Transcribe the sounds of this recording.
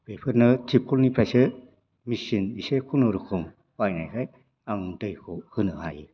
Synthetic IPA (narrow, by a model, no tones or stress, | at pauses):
b̥epʰɯɾnɯtʰip̚kʰulnipʰɾasɯ | misinisekʰunuɾukʰɯm | wajna̰jkʰaj | aŋdɯjkʰuhɯnɯa̰j